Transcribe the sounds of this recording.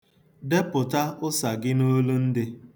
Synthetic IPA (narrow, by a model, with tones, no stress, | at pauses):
de˦pʊ˨ta˦ʊ˦sa˨ɡɪ˦no˦lu˦n̩˦dɪ˦